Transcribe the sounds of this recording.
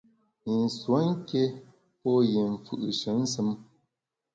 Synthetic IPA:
n̩˨swa˨˦ŋ̩˦ke˦ | pɔ˦je˨ɱ̩˨fʉ̰˨ʔɨ̰˨ʃə˨˦n̩˦sɨ˦m

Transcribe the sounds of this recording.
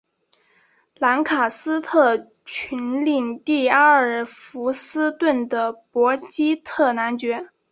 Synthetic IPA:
la˧˥nkʰa˨˩sɹ̩˥t̪ʰɤ˥˩ | t͡ɕʰy˧˥nli˥˩˧nt̪i˥˩a˥ə˨˩fu˧˥sɹ̩˥t̪wə˥˩nd̪ə˩pwɔ˧˥t͡ɕi˥t̪ʰɤ˥˩na˧˥nt͡ɕɥɛ˧˥

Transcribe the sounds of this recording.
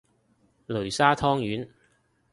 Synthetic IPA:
lɵ˨˩ɥsaː˥t̪ʰɔː˥ŋjyː˨˥n

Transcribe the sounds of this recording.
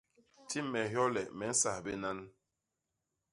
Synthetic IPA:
ti˦mːɛ˨ɦjɔ˦lɛ˨mɛ˨˦n̩˦sa˨be˦na˦n

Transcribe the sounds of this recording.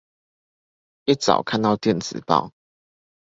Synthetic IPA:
i˥˩t͡sɑ̰˨˩ʊkʰa˥˧nt̪ɑ˥˧ʊt̪jɛ˥˨nt͡sɹ̩˨˩pɑ̰˥˨ʊ

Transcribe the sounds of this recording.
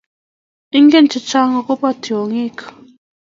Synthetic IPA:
i˦ŋɡe˦nt͡ʃi˨t͡ʃa˦ŋa˨ko˦pa˦tʰi˨o˨ŋi˦kʰḁ˨

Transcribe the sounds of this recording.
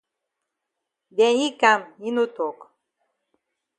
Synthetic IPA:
dɛ˨i˦ka˨mi˦nu˦t̪o˨k

